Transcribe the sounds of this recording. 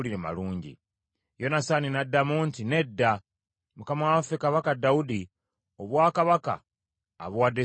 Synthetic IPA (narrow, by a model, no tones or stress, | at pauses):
linema̰luːɲɟḭ | jo̞nasaninadːamuntine̞dːa | mukamawaafekaβakadːaudi | oβwaːkaβaka̰ː | βwadːe